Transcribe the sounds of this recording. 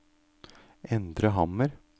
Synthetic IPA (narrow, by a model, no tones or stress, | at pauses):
ʔɛnd̪ɾəɦɑməɾ